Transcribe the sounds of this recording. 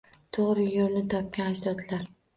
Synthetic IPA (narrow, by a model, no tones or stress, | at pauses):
t̪ʰoʁɾɪjoɾnɪt̪ʰɒp̚kʲanaʃd̪ɒd̪laɾ